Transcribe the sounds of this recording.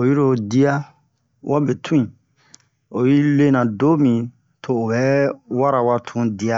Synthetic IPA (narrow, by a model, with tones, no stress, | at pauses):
o˨ji˦ɾo˨di˦a˦ | wʔa˦be˨tʰũ˦ĩ˨ | o˨ji˦le˦nã˨do˦mĩ˨ | tʰoː˨bɛ˨˦wa˦ɾa˨wa˦tʰũ˦di˨˦a˦